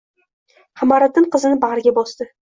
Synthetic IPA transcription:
hɑmaɾat̪ːɪɴqʰɨzɪnɪbaʁɾɪɡʲabɒsd̪ɪ

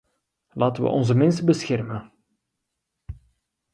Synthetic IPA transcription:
laːtəʋə̰ʔɔnzəmɪnsəbəsxɛrmən

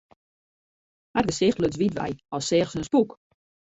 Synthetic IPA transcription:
had̚ɡəsɪxtløt͡sʋitʋɛ̰jɔsɪːxsənspuk

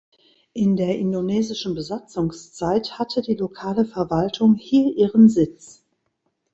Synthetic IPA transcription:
ʔɪndeːɐʔɪndonɛːzɪʃn̩bəzat͡sʊŋst͡saɪthatʰədiːlokʰaːləfɛɐvaltʰʊŋhiːɐʔiːʁənzɪt͡s

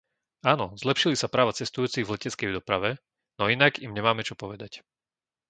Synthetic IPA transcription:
aːnɔzlɛpʃilisapɾaːʋat͡sɛst̪ujuːt͡siɣvlɛcɛt͡skɛjd̪ɔpɾaʋɛ | nɔinaɡimɲɛmaːmɛt͡ʃɔpɔʋɛd̪ac

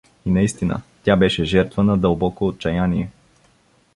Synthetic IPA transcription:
inɐist̪inə̰t̪ʲjabɛʃɛʒɛɾt̪vənɐd̪əlˠbɔkoːt̪̚t͡ʃɐjaniɛ

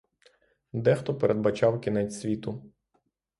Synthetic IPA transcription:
d̪ɛxt̪ɔpeɾʔed̪̚bɐt͡ʃɑwkʲinɛt͡sʲsʲʋʲit̪ʊ

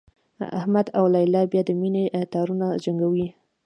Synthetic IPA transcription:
a̰hmad̪awlajlɑbjɑd̪əminet̪ɑɾunad͡ʒaŋɡawi

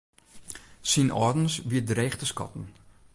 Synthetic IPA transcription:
sinʔɔ̰ːdən̩sʋiədrɛːχtəskɔ̰tn̩

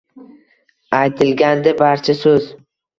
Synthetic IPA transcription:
ajt̪ʰɪlɡʲand̪ɪbaɾt͡ʃʰasɵz

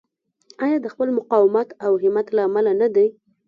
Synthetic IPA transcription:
ɑjɑd̪əxpəlmʊqɑwɪmat̪awɦɪmat̪laːmalanad̪e

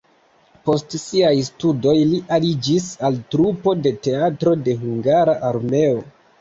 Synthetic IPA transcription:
po̞stsiajstudo̞jliʔalid͡ʒisaltɾupo̞de̞te̞atɾo̞de̞ɦuŋɡaɾaʔaɾme̞o̞

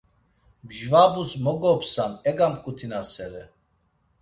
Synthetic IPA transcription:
bʒvabusmɔɡɔpsanɛɡamkʼut̪ʰinasɛɾɛ

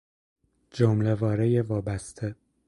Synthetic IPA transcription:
d͡ʒomlevɒːɾejevɒːbæst̪ʰe

